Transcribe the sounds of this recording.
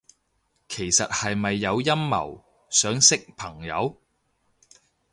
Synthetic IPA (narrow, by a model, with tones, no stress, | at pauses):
kʰe˨˩jsɐ˨t̚hɐ˨jmɐ˨jːɐ˨˧wjɐ˥mːɐ̰˨˩w | sœː˨˥ŋsɪ˥k̚pʰɐ˨˩ŋjɐ̰˨˧w